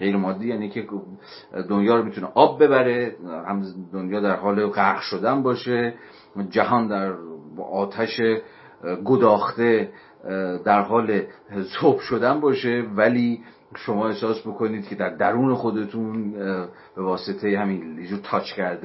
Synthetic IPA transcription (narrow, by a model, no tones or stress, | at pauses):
ɢe̞jɾemɒːd̪ːiːjæːnikʰe | d̪onjɒːɾomit̪ʰuneʔɒːbːe̞bæɾe̞hæmd̪onjɒːd̪æɾɦɒːle̞ɢæɣʃo̞d̪ænbɒːʃe | d͡ʒæɦɒːnd̪æɾɒːt̪ʰæʃe | ɡo̞d̪ɒːxt̪e̞ | d̪æɾɦɒːlesobʃo̞d̪ænbɒːʃe̞væliː | ʃo̞mɒːe̞hsɒːsbokʰo̞niːd̪̥̚cʰe̞d̪æɾd̪æɾuːne̞xo̞d̪e̞t̪ʰun | b̥e̞vɒːset̪ʰejehæmiːnid͡ʒuːɾt̪ʰɒːt͡ʃʰcʰæɾd̪e